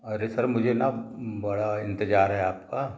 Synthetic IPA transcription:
ɐɾesɐɾmʊd͡ʒʱenabɐɽaɪ̃nt̪ɪd͡ʒaːɾɦɛaːpka

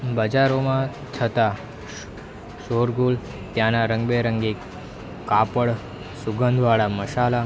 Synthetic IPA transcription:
bəd͡ʒaɾomã | t͡ʃʰət̪a | ʃoɾɡul | t̪jãnaɾəŋɡbeɾəŋɡek | kːapəɭ | suɡənd̪ʱʋaɭaməʃala

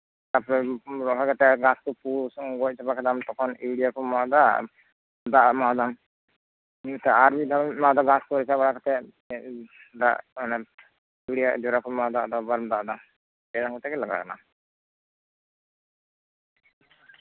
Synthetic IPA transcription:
apɾɛɾɔɦakat̪ɛɡaskɔpusɡɔc̚t͡ʃʰɔpakɛd̪amt̪ɔkʰɔniɽijakɔmad̪a̰ | d̪aʔmad̪am | it̪aaɾbid̪ammad̪aɡaskɔɾɛt͡ʃabaɽakat̪ɛ | d̪a̰ʔnɛ | uɽijad͡ʒɔɾakɔmad̪aʔd̪abaɾmd̪aʔd̪am | ɛd̪aŋkɔt̪ɛkɛlaɡa̰kana̰

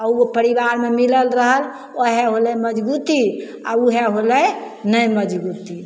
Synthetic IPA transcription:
aupəɾibaɾmemiləlɾəɦəl | oɦeɦolɛməd͡ʒbut̪i | a̰uɦeɦolɛ | nəjməd͡ʒbut̪i

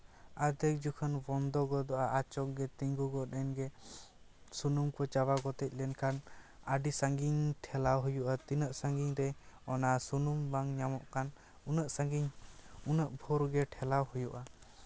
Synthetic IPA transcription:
ad̪ɛk̚d͡ʒukʰənbɔnd̪ɔɡɔd̪ɔʔaʔat͡ʃɔk̚ɡɛt̪iɲɡuɡɔɗɛnɡɛ | sunumkɔt͡ʃabaɡɔt̪ɛc̚ˀlɛnkʰanəɖisaŋɡiɲʈʰɛlawɦujuʔat̪inəʔsaŋɡiɲɾɛɔnasunumbaŋɲamɔʔkan | nəʔɡiɲunəʔbʱɔɾɡɛʈʰɛlawhujuʔa

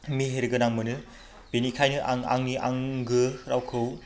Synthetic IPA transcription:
miɦeɾɯɡɐnaŋmɯnɯ | b̥inikʰajnɯʔaŋa̰ŋniʔaŋɡɯɾawkʰɯw

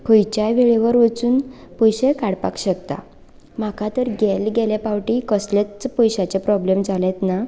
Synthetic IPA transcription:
kʰojt͡ɕjaʋeɭeʋəɾʋət͡suːnpɔjɕekaɽpa̰kɕəkt̪a̰ | m̤akʰat̪əɾɡɛlɡɛlepawʈikəslat͡spɔjɕat͡ɕepɾɔblemd͡zʱalɛ̃t̪na

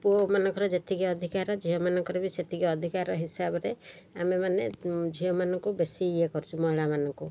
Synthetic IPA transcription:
puomanɔŋkɔɾɔd͡ʒet̪ʰiɡiɔd̪ʱikaɾɔd͡ʒʱiɔmanɔŋkɔɾɔbiset̪ʰiɡiɔd̪ʱikaɾɔɦisabɔɾe | amemaned͡ʒʱiɔmanɔŋkubesiːekɔɾut͡ʃʰumɔiɭamanɔŋku

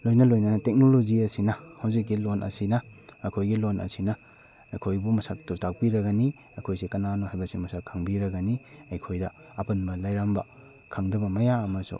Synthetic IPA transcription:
lojnɐlojnɐtek̚nolod͡ʒiɐsinɐhɐwzik̚ːilonʔɐ̰sinɐːkʰojɡilonʔɐ̰sinɐ | ɐjkʰojbumɐsak̚tuɾtʰak̚piɾɐɡɐni | ɐkʰojsekɐnanohajbɐsimɐsakʰːaŋbiɾɐɡɐniɐjkʰojdɐ | ɐpɐnbɐlajɾambɐ | kʰaŋdɐbɐmɐjaɐmɐsṵ

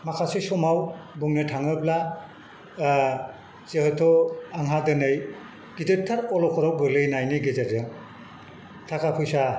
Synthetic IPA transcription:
makʰasesɔmawbuŋnetʰaŋɯbla | z̥ehɔjtʰɔaŋɦadɯnɯj | ɡ̥izep̚tʰːaɾɔlɔkʰɔɾawbɯlɯjnajnɯɡizetɯ | tʰakapʰujsa

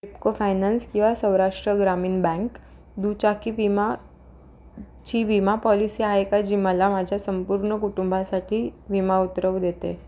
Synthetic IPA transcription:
kɾipkofajnanskĩw̃ʋasə̃wɾaʂʈɾəɡɾamiːnbɛ̃ŋk | d̪ut͡ɕakiːʋima | t͡ɕiːʋimapɔlisiːaɦekad͡ʑiməlamad͡ʑʱjasəmpuɾɳəkuʈumbʱasaʈʰiːʋimaut̪ɾəʋd̪et̪ḛ

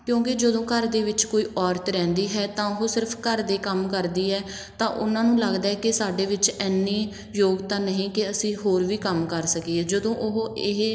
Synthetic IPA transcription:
kjõːkɪd͡ʒəd̪õːkəɾd̪eːʋɪt͡ʃkoːiːʔɔːɾt̪ɾɛ̃ːnd̪iːɦɛːt̪ãːɦoːsɪɾpʰkəɾd̪eːkəmkəɾd̪iːɛː | t̪ãːʔʊnãːnũːləɡd̪aːɛːkɪsaːɖeːʋɪt͡ʃɛːnːiː | joːɡt̪ãːnəɦĩːkɪəsĩːɦoːɾʋiːkəmkəɾsəkiːɛːd͡ʒəd̪õːʔʊɦɪɦ

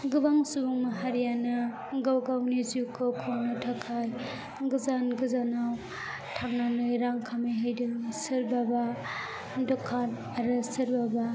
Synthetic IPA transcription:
ɡɯbaŋsubuŋmaɦaɾjanɯ | ɡawɡawnizukʰokʰownɯtʰakʰaj | ɡɯzanɡɯzanaw | tʰaŋnanɯjɾaŋkʰamejɦajdɯsɯɾbaba | dɔkʰːan | aɾɯsɯɾbaba

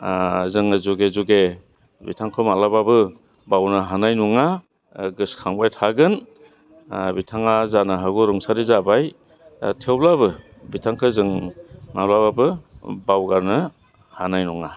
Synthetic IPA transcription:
zɯŋɯzuɡezuɡe | bḭtʰaŋkʰɯmalababɯ | bawnɯɦanajnuŋa | ɡɯskʰaŋbajtʰaɡɯn | bitʰaŋazanaɦaɡɔɾɯŋsaɾizabaj | tʰewlaβɯ | bitʰaŋkʰɯzɯŋmalaβabɯbawɡaɾnɯ | hanajnuŋa

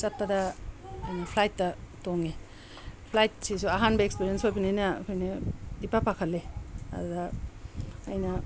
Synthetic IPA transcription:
sɐt̚pɐdɐ | nɐpʰlajtːɐtoŋi | pʰlajt̚sisuaɦanbɐekspiɾiɐnsojbɐninɐ̰kʰojnedipapakʰɐlːeɐ̰dudɐː | jnɐ

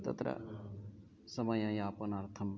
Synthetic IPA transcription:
t̪ɐ̰t̪ɾɐ̰ | sɐmɐjɐ̃jaːpɐnɐɾt̪ʰɐm

